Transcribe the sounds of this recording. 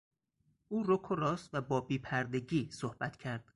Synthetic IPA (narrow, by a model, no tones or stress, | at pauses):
ʔuːɾokʰoɾɒːst̪væbɒːbiːpʰæɾd̪e̞ɟiːsohb̥æt̪ʰcʰæɾd̪̥